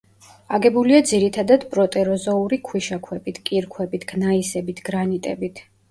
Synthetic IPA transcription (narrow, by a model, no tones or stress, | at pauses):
aɡɛbuliad̪ziɾit̪ʰad̪ad̪pʼɾɔt̪ʼɛɾɔzɔuɾikʰwiʃakʰwɛbit̪ʰkʼiɾkʰwɛbit̪ʰɡ̥naisɛbit̪ʰɡ̥ɾanit̪ʼɛbit̪ʰ